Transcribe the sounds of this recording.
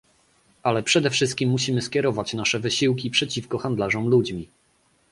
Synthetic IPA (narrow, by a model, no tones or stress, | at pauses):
alɛpʂɛd̪ɛfʂɘst̪̚kʲimːuɕimɘskʲjɛɾɔvat͡ɕnaʂɛvɘɕiwkʲipʂɛt͡ɕifkɔxand̪laʐɔmlud͡ʑmʲi